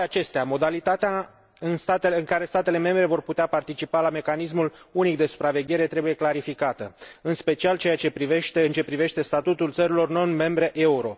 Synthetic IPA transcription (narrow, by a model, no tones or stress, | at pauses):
at͡ʃe̞st̪eamo̞d̪alit̪at̪ea | ɨnst̪at̪eɨŋkaɾe̞st̪at̪e̞le̞me̞mbɾe̞vo̞rput̪eapart̪it͡ʃipalame̞kanismulunik̚d̪e̞su̥pɾave̞ɡʲe̞ɾe̞t̪ɾe̞buje̞klaɾifikat̪əɨnspe̞t͡ʃialt͡ʃe̞jat͡ʃe̞pɾive̞ʃt̪e̞ɨnt͡ʃe̞pɾive̞ʃt̪e̞st̪at̪ut̪ult̪səɾilo̞rno̞nme̞mbɾe̞ʔe̞uɾo̞